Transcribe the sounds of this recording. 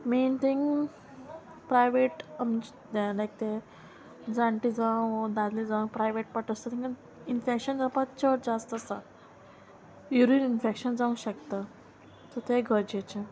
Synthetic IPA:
ment̪ʰĩŋɡ | pɾajʋeʈəmd͡ʑ | d̪elajk̚t̪e | d͡zãɳʈid͡zãd̪ad̪lid͡zãpɾajʋeʈ̚pəʈəst̪ət̪ʰĩŋkən | infekɕənd͡zapat̪t͡ɕəʈ̚d͡zast̪əsa̰ | juɾininfekɕənd͡zaũɕəkt̪ə | t̪ət̪eɡʱəɾd͡ʑet͡ɕe

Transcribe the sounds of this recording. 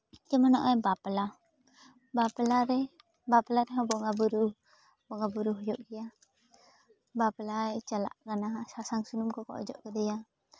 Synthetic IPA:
t͡ʃəmanɔʔebapəla | bapəlaɾɛ | bapəlaɾeɦɔbɔʔŋabuɾu | bɔʔŋabuɾuɦd͡ʒɔʔkija | bapəlaet͡ʃala̰ʔkanasasaŋsunumkɔkɔ̰ʔd͡ʒɔ̰ʔkədija

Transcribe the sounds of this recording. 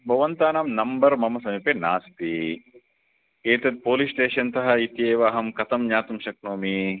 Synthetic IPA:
bʱɐʋɐnt̪aːnaːmnɐmbɐɾmɐmɐsɐmipenaːst̪i | eːt̪ɐd̪̚poːlisʈeːʃɐnt̪ɐɦɐit̪jeːʋaːɦɐmkɐt̪ɐmɲaːt̪umʃɐknoːmi

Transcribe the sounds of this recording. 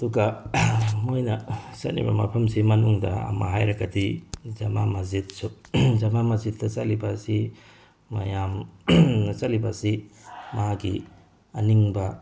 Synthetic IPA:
ɐduɡɐ | mojnɐsɐt̚nḭbɐ̰mɐ̰pʰɐmsimɐnuŋdɐ̰ɐ̰ma̰ɦajɾɐɡɐdizɐmamɐzit̚suzɐmamɐzit̚dɐsɐlibasi | mɐ̰jam | sɐtlibasimaɦaɡi | ɐniŋbɐ

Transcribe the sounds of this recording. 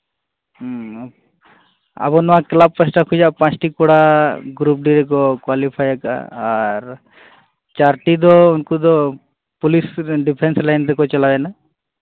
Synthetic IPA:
a̰bɔnɔãklab̚pəsʈakʰud͡ʒaʔpãt͡ʃʈikɔɽaɡɾup̚ɖiɾɛk̬ɔkwalipʰajɛka̰ːɾ | t͡ʃaɾʈid̪ɔunkud̪ɔ | pulisɖipʰenslajnd̪ɛkɔt͡ʃalabɛna

